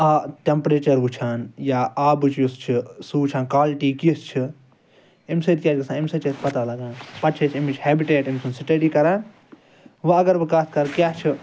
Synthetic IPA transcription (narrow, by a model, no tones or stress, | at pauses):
aʈempɾeːt͡ʃɐɾɦut͡ʃʰaːnjaːaːbɨt͡ʃʰjust͡ʃʰisuut͡ʃʰaːnkaːlʈiːkist͡ʃʰi | imsɐt̪kʲjaːt͡ʃɡɐsãːimsɐt͡ʃet̪pɐt̪alɐɡaːnpɐʈt͡ʃʰet͡ʃʰimit͡ʃʰhɛːbiʈeːʈimsʰunsiʈɐɖiːkɐɾaːn | ʋɐɐɡɐɾʋɐkaːskɐɾkjaːt͡ʃʰi